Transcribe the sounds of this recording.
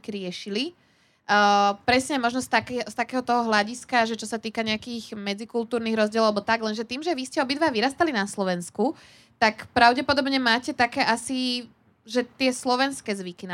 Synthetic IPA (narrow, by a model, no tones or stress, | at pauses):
kiɾɪɛʃili | pɾɛsɲɛmɔʒnɔst̪akɛst̪akɛːɦɔt̪ɔɦɔɦlaɟiskaʒɛt͡ʃɔsat̪iːkaɲɛakiːɣmɛd͡zikult̪uːɾniːɣɾɔzɟɪɛlɔʊalɛbɔt̪aɡlɛnʒɛt̪iːmʒɛʋiscɛɔbid̪ʋaːʋiɾast̪alinaslɔʋɛnsku | t̪akpɾaʊɟɛpɔd̪ɔbɲɛmaːcɛt̪akɛːʔasi | ʒɛt̪ɪɛslɔʋɛnskɛːzʋikina